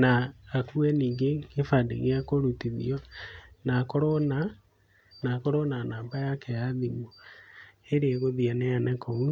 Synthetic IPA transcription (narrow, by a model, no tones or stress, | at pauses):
naːkuɛniːŋɡeɡefadḛɣeakoɾutiðḭɔnakoɾɔna | nakoɾɔnanaːmbajaːkɛjaðimo | eɾeɛɣoðianɛanɛkɔu